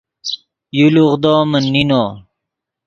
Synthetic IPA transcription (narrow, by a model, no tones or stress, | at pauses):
juluʁd̪oːmɐnːinoː